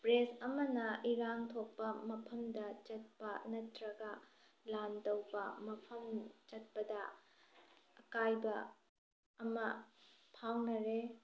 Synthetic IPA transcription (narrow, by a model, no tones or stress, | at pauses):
pɾesɐmɐnɐʔiɾaŋtʰok̚pːɐmɐpʰɐmdɐt͡ʃɐt̚pɐnɐtɾɐɡɐ | lantowbɐmɐpʰɐmt͡ʃɐt̚pɐdɐ | ɐkajbɐː | mɐpʰawnɐɾe